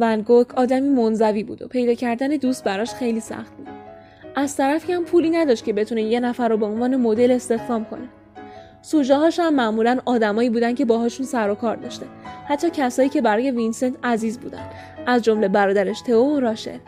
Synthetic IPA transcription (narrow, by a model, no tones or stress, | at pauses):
vænɡokʰɒːd̪æmiːmo̞nzæviːbṵːd̪o̰pʰe̞jd̪ɒːcʰæɾd̪æned̪ust̪̚bæɾɒːʃxe̞jliːsæ̰xt̪̚bud̪̥ | ʔæzt̪ʰæɾæfihæmpʰuːliːnæd̪ɒʃt̪̚cʰebe̞t̪ʰuneje̞næfæɾːobe̞onvɒːne̞mod̪e̞le̞st̪e̞xd̪ɒːmkʰo̞̰ne | suːd͡ʒɒɦɒːʃhæmːæʔmuːlænɒːd̪æmɒːiːbuːd̪ænd̪cʰe̞bɒːɦɒːʃunsæɾokʰɒːɾd̪ɒ̰ːʃt̪ehæt̪ʰːɒːcʰæsɒːjiːcʰe̞bæɾɒːje̞vinsent̪ʰæziːzbṵːd̪æ̰nd̪ | ʔæzd͡ʒo̞mle̞bæɾɒːd̪æɾeʃt̪ʰe̞oɾɒːʃḛd̥̪